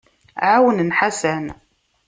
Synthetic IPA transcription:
ʕawənənħasæn

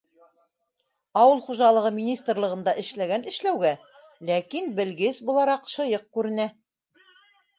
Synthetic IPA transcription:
ɑwɤlˠχuʒɑlˠɤ̆ʁɤmʲinʲist̪rlˠɤ̆ʁɤ̆nd̪ɑʔɘ̆ʃlæɡænɘ̆ʃlæwɡæ | lækinbɘ̆lɡɘsbulˠɑɾɑqʃɤ̆jɤq̚kʉɾɘ̆næ

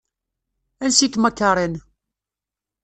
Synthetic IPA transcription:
ænsit̪məkːɑɾˤən

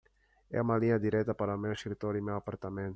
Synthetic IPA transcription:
ɛ̰umɐliɲɐd̪iɾɛt̪ɐpaɾɐmewskɾit̪oɾimewapaɾt̪amẽnt̪ʊ

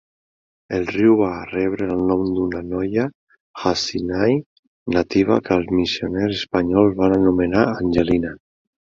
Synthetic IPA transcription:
elˠriwβaːrɛβ̞ɾəəlˠnɔmd̪unanɔja | xasinaj | nat̪iβ̞a̰kəlˠzmisionɛzespaɲɔlzβananumenaanʲʒelina

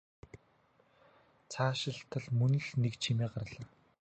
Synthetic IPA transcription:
t͡sʰaːʃɪ̆ɬt̪ʰə̆ɮmɵnɵ̆ɮnekt͡ɕʰimeːɢarɮaː

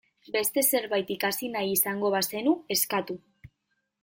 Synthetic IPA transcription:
be̞st̪e̞se̞ɾβajt̪ikasinajisaŋɡo̞βase̞nue̞skat̪u

